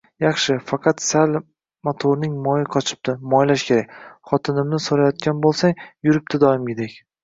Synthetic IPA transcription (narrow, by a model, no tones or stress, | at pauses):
jɑχʃɪfɑqʰɑt̪sal | mot̪ʰoɾnɪŋmɒjɪqʰɒt͡ʃʰɪ̥p̚t̪ɪmɒjlaʃkʲʰe̞ɾakʲχɒt̪ʰɪnɪmnɪsoɾajɒt̪̚kʲanbolˠsaŋjʊɾɪp̚t̪ɪd̪ɒjɪmɡʲed̪ekʲ